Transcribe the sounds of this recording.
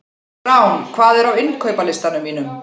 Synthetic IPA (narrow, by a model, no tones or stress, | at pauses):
awnkʰvaːðɛɾawɪnkʰœɥpalɪst̪anʏmːiːnʏm